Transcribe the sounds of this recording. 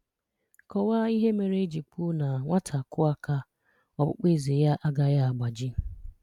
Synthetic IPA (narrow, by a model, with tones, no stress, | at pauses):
kɔ˨wa˦i˦ɦe˦me˨ɾe˦d͡ʒi˨k͡pʊ˦na˨ŋʷa˦tʰa˨kʊ˦a˦ka˦ | ɔ˨bʊ̰˦k͡pe˦˨ze˨ja˦ʔa˦ɡa˨ja˦a˨ɡ͡ba˨d͡ʒɪ˦